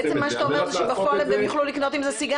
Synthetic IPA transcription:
et͡semːaʃeat̪aomeʁzeʃebafoalevdemjoχlulikno̞t̪imzesiɡa

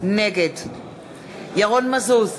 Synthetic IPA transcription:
n̩nɛkʼɛtʰ | jaɣɔn̩masos

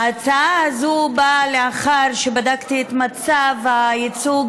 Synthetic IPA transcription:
at͡saaazubaleaχaɾʃebadakt̪iet̪mat͡savajit͡suɡ

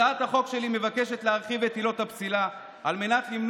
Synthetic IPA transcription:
at̪haχo̞kʃe̞lime̞vakeʃe̞t̪leaʁχivet̪ilo̞thapt͡sila | alme̞nat̪limn

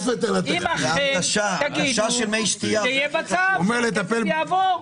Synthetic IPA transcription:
zet̪anat̪maad̪aʃaaɡaiʃaʃelmejʃt̪iajɛbat͡saomeʁlet̪apeljavoʁ

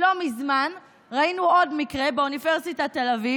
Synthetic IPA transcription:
lo̞mizman | ʁainuodmikʁe̞beuniveʁsitat̪elavi

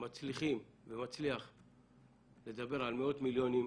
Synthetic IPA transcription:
mat͡sliχim | vemat͡sliaχ | le̞d̪abe̞ʁalmeo̞t̪miljo̞nim

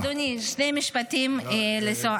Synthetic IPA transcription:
d̪uniʃnejmiʃpat̪imleso

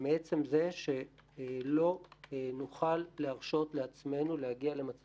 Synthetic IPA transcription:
meet͡se̞mze̞ʃe̞lo̞nuχalːeaʁʃo̞t̪leat͡sme̞nulehaɡiale̞mat͡s

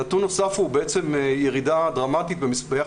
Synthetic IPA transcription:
atonosafubeʔet͡se̞mjeʁidad̪ʁamat̪it̪bemisbeja

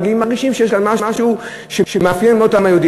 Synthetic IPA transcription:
ɡiimːaʁɡiʃimʃejeʃkanmaʃaʃu | ʃeʃemeafjenmeotamajod̪i

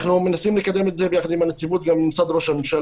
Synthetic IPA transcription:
numenasiːmlekad̪ːemet̪zebjaxd̪imanat̪ːibuːt̪̚ɡamsad̪ɾoʃamemʃæ

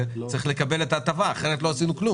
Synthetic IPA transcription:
t͡saʁiχle̞kabe̞le̞taːt̪avaːχe̞ʁet̪lo̞asinuklu

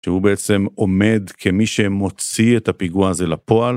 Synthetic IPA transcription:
ʃehubeet͡se̞mo̞me̞d̪kʰemiʃemo̞t͡sietapiɡuaze̞lapo̞al

